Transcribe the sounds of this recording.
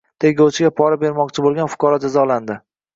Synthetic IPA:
t̪ʰeɡʲowt͡ʃʰɪɡʲapʰɒɾabe̞ɾmɒqt͡ʃʰɪbolˠɡʲanfʊ̥kɒɾɒd͡ʒazɒland̪ɪ

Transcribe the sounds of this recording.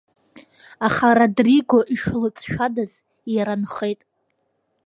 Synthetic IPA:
aχaɾadriɡoʔiʂlɨt͡sʼʃᶣadaz | jaɾanχejtʼ

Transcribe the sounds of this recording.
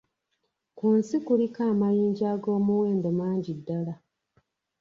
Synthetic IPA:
kunsikulikaːmajiːɲɟaːɡo̞ːmuweːndomaːɲɟidːala

